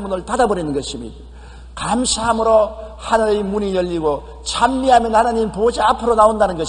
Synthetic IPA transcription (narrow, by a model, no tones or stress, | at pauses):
munɯɭpadabʌɾinɯnɡʌɕʰimḭ | kamɕʰiɦamɯɾo | hanɯɾejmunijʌʎːiɡo | t͡ɕʰamːiɦamjʌnhanaɲimpod͡ʑiapʰɯɾonaondanɯnɡʌɕ